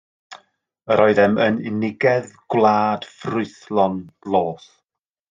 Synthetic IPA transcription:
əɾʔɔɨðɛmənɪ̰nɪɡɛðɡ̥wlˠaːd̥frʊɨθlˠɔnlˠoːθ

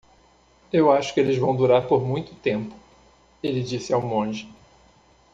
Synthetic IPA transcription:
ewaʃʊ̥kɪelɪzvɐ̃w̃d̪uɾaɾpoɾmũj̃t̪ʊt̪ẽmpʊ̥ | elɪd͡ʒisɪawmõʒɪ

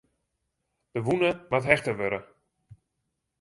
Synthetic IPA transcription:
d̥əʋunəmatɦɛxtəʋøɾə

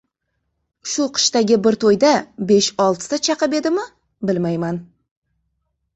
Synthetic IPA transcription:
ʃʊqʰɨ̥ʃt̪aɡʲɪbɪɾt̪ʰojd̪abe̞ʃɒlˠt̪ʰɪ̥sat͡ʃʰɑqɨpe̞d̪ɪmɪ | bɪlmajman

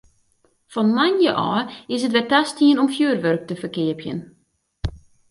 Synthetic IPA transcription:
fɔnmanjəʔɔːɪsətʋɛtastiənɔmfjyərʋørk̚təfərkɪəpjə̰n

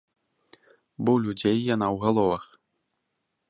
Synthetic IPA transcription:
bɔwlʲud͡zʲejːanawɣalˠɔvɐx

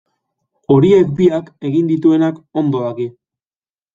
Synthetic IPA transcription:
o̞ɾie̞k̚biake̞ɣind̪it̪ue̞nako̞nd̪o̞ðaɣi

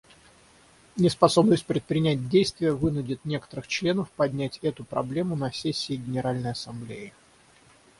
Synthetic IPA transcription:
nʲɪspɐso̞bnəsʲt̚ʲpɾʲɪt̪̚pɾʲɪnʲæt̚ʲdʲejst̪vʲɪjəvɨnʊdʲɪt̪nʲe̞kə̥t̪əɾɨxt͡ɕlʲe̞nəfpɐdʲnʲætʲɛt̪ʊpɾɐ̰blʲe̞mʊnɐsʲesʲːɪːɡʲɪnʲɪɾalʲnəjɐsɐmblʲeɪ

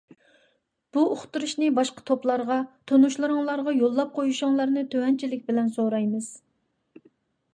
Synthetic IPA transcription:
b̥uoχt̪uɾuʃnɨbɑʃqɑ̥t̪ʰoplˠɑɾʁɑt̪ʰonuʃlˠɨɾɨŋlˠɑɾʁɑjolˠːɑp̚qʰojuʃʊŋlˠɑɾnɨt̪ʰøwɛnt͡ʃʰilɪkʲbɪlɛnsoɾɑjmɨz̥

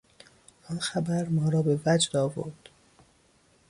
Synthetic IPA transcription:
ʔɒnxæbæɾmɒːɾɒːbe̞væd͡ʒd̪ɒːvo̰ɾd̪̥

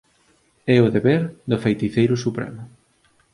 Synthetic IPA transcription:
ɛʊðeβɛɾðʊfejt̪iθejɾʊsupɾɛ̰mʊ

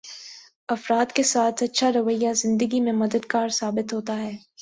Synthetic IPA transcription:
ɐfɾaːd̪kesaːt̪ʰɐtːʃʰaɾɐʋəjːazɪ̃nd̪əɡimẽmɐd̪əd̪kaːɾsaːbɪt̪ɦoːt̪aɦɛː

